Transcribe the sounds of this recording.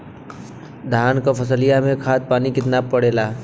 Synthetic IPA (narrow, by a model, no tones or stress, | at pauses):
d̪ʱaːnkopʰəs̬əlijamẽkʰaːt̪̚paːnikɪt̪napəɽeːlaː